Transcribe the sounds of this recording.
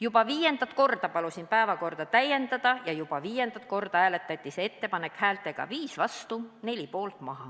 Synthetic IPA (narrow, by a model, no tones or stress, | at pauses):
jubɑviːje̞nd̪̥ɑt̪ˑko̞rd̪̥ɑpɑlusinpæevɑko̞rd̪̥ɑt̪æje̞nd̪̥ɑd̪̥ɑjɑjub̥ɑviːje̞nd̪̥ɑt̪̚ˑko̞rd̪̥ɑæːle̞t̪ːˑɑt̪ʲːˑisee̞t̪ːe̞pɑne̞khæːlt̪ːˑe̞ɡ̥ɑ̰viːsvɑst̪une̞lʲipo̞ːlt̪ˑmɑɦɑ